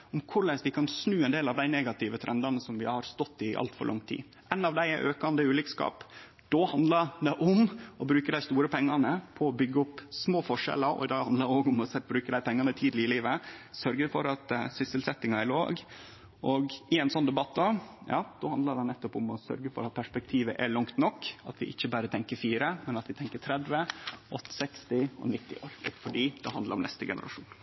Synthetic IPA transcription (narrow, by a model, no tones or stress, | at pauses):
ʊmkʰʊɾɭɛsʋɪkʰɑnsnʉːɛnd̪eːlɑʋd̪æɪneːɡɑt̪ʰɪʋət̪ʰɾʔɛnd̪ɑnəsɔmʋɪhɑɾst̪ɔt̪ːɪʔɑ̰lt̪fɔ̰lɭʔɑ̰ŋt̪ʰḭː | ʔɛnːɑʋd̪æɪʔøːkɑnd̪əʉːlɪkskɑ̰ːp | d̪̥ɔhɑnd̪lɑɾd̪ɛʔʊmɔbɾʉːkəd̪æɪst̪uːɾəpʰɛŋːɑnəpʰɔːbʏɡːəʊpːsmoːfɔʂɛ̰ləɾɔ̰ɪd̪ɑːɡhɑnəoːɡʊmɔsɛbɾʉːkəd̪æɪpʰɛŋːɑnət̪ʰiːd̪lɪɪliːʋəsœɾɡəfɔɾɑt̪sɪsəlsɛt̪ːɪŋɑæɾlo̰ːɡ | ʔɔɡɪɛɪnsɔnːd̪ɛbɑt̪ːd̪ɑjɑ̰ːd̪̥ɔɑnd̪əd̪ɛnɛt̪ːɔpʊmɔsœ̰ɾɡəfɔ̰ɾɑt̪̚pʰæʂpɛk̚t̪ʰiːʋə̰ʔɛɭɑŋkt̪nɔkːɑt̪ʋɪ̰ʔɪçːəbæːɾət̪ʰɛŋkəɾfiːɾəmɛnɑt̪ʋɪt̪ʰɛŋkəʈ̪ʰɾɛd̪ʋəʔɔt̪ːɪ̥sɛkst̪ɪɔ̰nɪt̪ːɪ̰o̰ːɾɔfɔɖiːd̪ɛhɑnd̪ləɾɔmnɛst̪əɡɛ̰nə̰ɾʔɑ̰ʂuːn